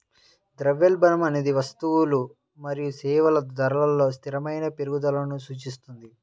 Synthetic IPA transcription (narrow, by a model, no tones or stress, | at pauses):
d̪ɾɐʋːelbɐnɐmɐne̞ːd̪iʋɐst̪uwulu | mɐɾijusɛːʋɐlɐd̪ɐɾɐlɐlːo̞ːst̪ʰiɾɐmɐjnɐpeɾuɡud̪ɐlɐnusuːt͡ʃist̪und̪i